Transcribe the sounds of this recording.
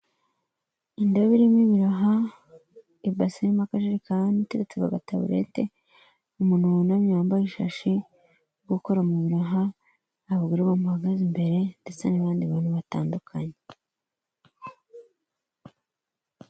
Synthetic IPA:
indoβiɾimiβiɾaɦa | ibasiimakaʃeɾikaanite̞det͡seβa̰βa̰taβṵɾḛte̞̰ | umuːn̥unamɲaːmbaiʃa̰ʃi | ɡuko̞ɾamuβiɾaɦaː | βɡiɾuβamuhaɡazimbe̞ɾe̞ndet͡senaβaːndiβanuβataːndukʰaɲe

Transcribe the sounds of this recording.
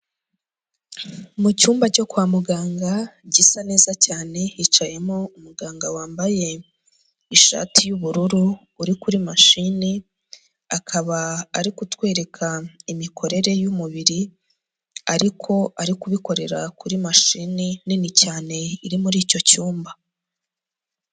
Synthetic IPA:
mucuːmbaco̞kwaːmuɡaːŋɡaɟisane̞ːzacaːne̞it͡ʃaje̞moumuɡaːŋɡawaːmbaje̞ | iʃa̰ːtʰijuβuɾuɾuː | ɾikuɾimaʃini | akʰaβaːɾikutwe̞ːɾe̞kʰaimikʰo̞ɾe̞ɾe̞jumuβiɾi | aɾikʰo̞aɾikuβiko̞ɾe̞ɾa̰kuɾimaʃinininicaːne̞iɾimuɾiːco̞cuːmba

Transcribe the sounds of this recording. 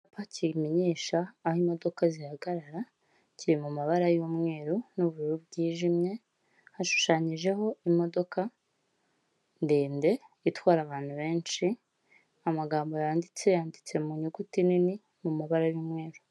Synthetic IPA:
pacʰimiɲiːʃaːhimo̞do̞kazihaɡaɾaɾa | ciɾimumaβaɾajumŋe̞ːɾunuβuɾuɾub̚ɟiːʒimɲe̞ | haʃu̥ʃaɲiʒe̞ɦo̞imo̞do̞ka | ndiːnde̞itwaːɾaβaːn̥huβe̞ːnʃi | amaɡaːmbo̞jaːndit͡se̞jaːndit͡se̞muɲuɡutinini | mumaβaɾajuːmŋe̞ːɾu

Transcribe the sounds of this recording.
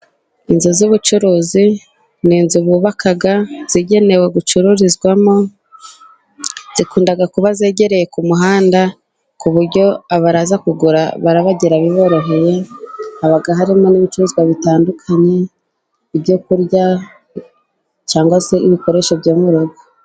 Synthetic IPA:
inzuzuβut͡ʃuɾuːzi | niːnzuβuβakaɡaz̥iɟe̞ne̞we̞ɡut͡ʃuɾuɾizɡwamo | z̥ikuːndaɡakuβaze̞ːɟe̞ɾe̞je̞kumuɦaːnda | kuβuɾɟo̞aβaɾazakuɡuɾaβaɾaβaɟiɾaβiβo̞ːɾo̞ɦe̞je̞aβaɡaɦaɾimo̞niβit͡ʃuɾuːziɡwaβitaːndukʰaɲe̞ | ibɟokuɾja | t͡ʃaːŋɡwase̞iβiko̞ɾe̞ʃo̞βjoːmuɾoɡo

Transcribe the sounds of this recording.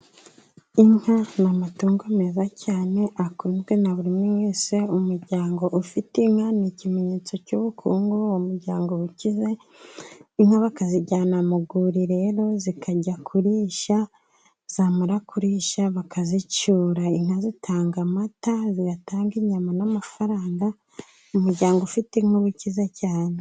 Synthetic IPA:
iŋ̥hanamatuːŋɡomezacaːne̞ʔakuːnzɡwe̞naβuɾimuweːse̞umuɾɟaːŋɡo̞ʔufitiŋhanicime̞ɲeːt͡so̞cuβukʰuːŋɡuwmuɾɟaːŋɡo̞ucize̞ | iŋhaβakaziɟaːnamuɡuɾiɾe̞ɾo̞zikʰaɟakʰuɾiːʃa | z̥aːmaɾakʰuɾiʃaβakʰazit͡ʃuːɾaiŋ̥hazitʰaːŋɡamataziɡataːŋɡiɲamanamafaɾaːŋɡa | umuɾɟaːŋɡoufitiŋ̥oβucizecaːne

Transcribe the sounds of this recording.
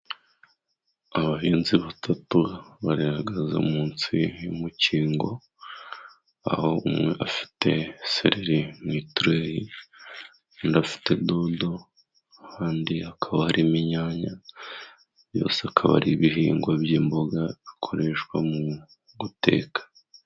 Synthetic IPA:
aβaɦiːnziβatʰatuβaɾeɾaɡaza̰muːnt͡sijumuciːŋɡo̞̰ | a̰ho̞ʔumŋe̞̰ʔafi̥te̞se̞̰ɾeɾimŋiːtɾeji | ndafi̥tʰe̞dodo̞ | haːndiakʰaβahaɾimiɲaːɲa | βjo̞̰ːseakʰaβa̰ɾiβiɦiːŋɡwabjiːmbo̞ɡaβikʰo̞ɾe̞ʃwamu | ɡute̞̰ːkḁ

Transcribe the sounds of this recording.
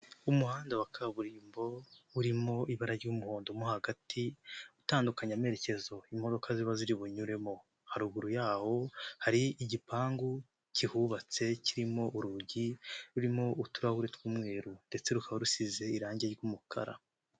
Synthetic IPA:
umuhaːndawakʰaβuɾiːmbo̞uɾimo̞ʔiβaɾaɾɟuːmuho̞ːndomohaɡatʰiutaːndukaɲame̞ɾe̞ce̞zo̞imo̞do̞kʰaziβaziɾiβuɲuɾe̞mo̞ | haɾuɡuɾujaːho̞haɾiiɟipʰaːŋɡu | cihuβat͡se̞ciɾimo̞ʔuɾuɟiɾuɾimo̞utuɾahuɾetwumŋe̞ːɾunde̞t͡se̞ɾukaβaɾusize̞iɾaːɲɟeɾɡumukʰa̰ɾa̰

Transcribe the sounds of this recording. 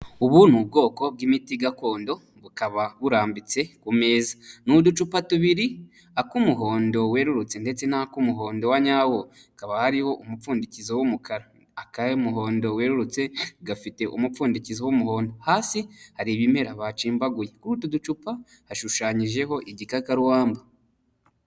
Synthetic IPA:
uβunub̚ɡo̞ːko̞b̚ɡimitiɡako̞ːndo̞ | βukaβaβuɾaːmbit͡se̞kume̞ːzḁnudut͡ʃupatuβiɾi | akumuɦo̞ːndo̞we̞ːɾuɾut͡se̞nde̞t͡se̞nakumuɦo̞ːndo̞waɲaːwo | kaβahaɾiho̞ʔumufuːndicizowumukʰaɾaː | kamuɦo̞ːndo̞we̞ːɾuɾut͡se̞ɡafite̞ʔṵmufuːndicizowumuho̞ːndo̞haːsihaɾiβime̞ɾaβat͡ʃiːmbaɡujekuɾutudut͡ʃupa | haʃuʃaːɲiʒe̞ɦo̞ʔiɟikakaɾuwaːmba

